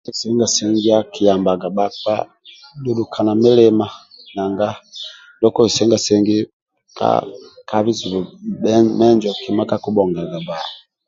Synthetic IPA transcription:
kɛ˨sɛ˦ŋɡa˨sɛ˦ŋɡi˦ja˦ki˨ja˨mba˨ɡa˨ba˦ka̰˦ | du˨˦du˨kʰa˨na˨mɛ˦lɛ˦ma˦na˨ŋɡa˦ | dɔ˦kɔ˦i˨sɛ˦ŋɡa˨sɛ˦ŋɡi˦ | ka̰˦ka˦βi˦zu˨ɾu˨˦mɛ˦nd͡ʒɔ˨ki˨˦ma˦ka˦ku˦bɔ˨ŋɡa˨ɡa˨ba˨

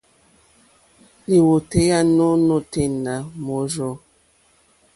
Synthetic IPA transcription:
li˨wo˨te˦ja˦no˦no˦˨te˦na˨mo˨˦zo˦

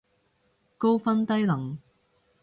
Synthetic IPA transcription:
ko˥wfɐ˥nt̪ɐ˥jlɐ˨˩ŋ

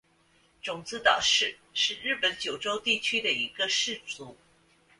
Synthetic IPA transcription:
ʈ͡ʂʊ˨˩ŋt͡sɹ̩˥t̪ɑ˨˩ʊʂɻ̩˥˩ | ʂɻ̩˥˧ɻɻ̩˥˩pə˨˧˥nt͡ɕjo˨˩ʊʈ͡ʂo˥ʊt̪i˥˩t͡ɕʰy˥d̪ə˨i˧˥ɡ̥ə˧ʂɻ̩˥˩t͡su˧˥˦

